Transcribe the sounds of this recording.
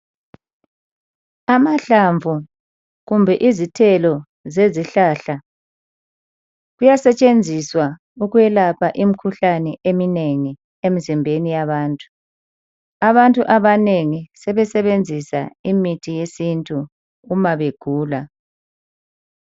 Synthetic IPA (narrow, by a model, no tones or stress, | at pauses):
amaɬaɱvʱu | ɣumbʱɛʔizitʰɛlɔ | zeziɬaːɬa | ɣujasɛt͡ʃʼend͡zʱiswa | uɣuɛlapʰaʔimikʰuɬanɛʔemineŋi | emizimbʱenijaβaːntʼu̥ | aβantʼuʔaβaneŋisɛβɛsɛβend͡zʱisa̰imitʰijesintʼuː | maβeɡ̥ʱuːla